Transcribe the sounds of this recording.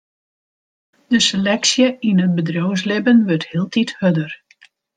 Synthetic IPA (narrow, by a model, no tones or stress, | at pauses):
d̥əselɛksjəinət̚bədrows̬lɪbənʋørthiəlˠtʰithødər